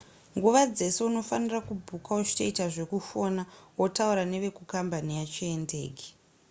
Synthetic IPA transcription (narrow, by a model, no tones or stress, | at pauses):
ŋɡuʋad͡ze̞se̞uno̞fanirakubʱukaoʐi̥toitaʐe̞kufo̞nawo̞tauɾane̞ʋe̞kukambanijat͡ʃiende̞̰ːɡi̥